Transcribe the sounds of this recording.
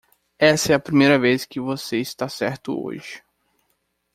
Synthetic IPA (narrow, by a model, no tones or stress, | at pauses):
ɛsɐɛɐpɾimejɾɐveskɪvoseɪst̪asɛɾt̪ʊ̰o̰ʒɪ